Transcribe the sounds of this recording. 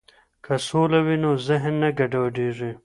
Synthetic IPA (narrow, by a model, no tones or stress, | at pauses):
kʰɐsoːlɐwinozɪɦnːɐɡɐɖaːɖiːʐi